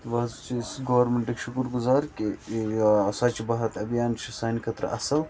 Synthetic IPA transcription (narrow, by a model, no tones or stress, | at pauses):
t̪ʋɐzt͡ʃʰisɡɐʋɐɾmeɳʈikʃukuɾɡʊzaːɾki | sɐt͡ʃibɐɦɐt̪ɐbjaːnt͡ʃʰisaːnikʰɐt̪ɾɐ̰ʔɐsɐl